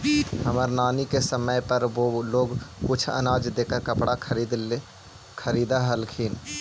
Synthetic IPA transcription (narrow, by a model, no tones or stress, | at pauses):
həməɾnaːnikesəməjpəɾʋoːloːɡkʊt͡ʃʰə̰naːd͡ʒd̪eːkəɾkəpɽakʰɾid̪ | kʰəɾiːd̪aɦəlkʰiːn